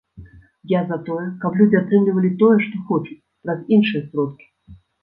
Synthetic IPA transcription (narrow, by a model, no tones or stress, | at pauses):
jazat̪ojəkablʲudʲɪat̪ɾɛmlʲɪvəlʲɪt̪ojɛʂt̪oxot͡ɕɪ̥t | razʲinʂɨjəsɾot̪̚kʲɪ̥